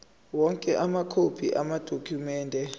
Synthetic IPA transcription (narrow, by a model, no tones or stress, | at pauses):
wɔŋkʼɛʔamakʰopʰiʔamad̥ʱokʰumɛːndʱɛ